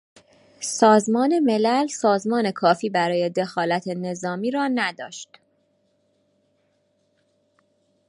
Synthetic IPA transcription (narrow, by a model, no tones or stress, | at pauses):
sɒːzmɒːne̞me̞lælsɒːzmɒːne̞kʰɒːfiːbæɾɒːje̞d̪e̞xɒːlæt̪ʰene̞zɒːmiːɾɒːnæd̪ɒːʃt̪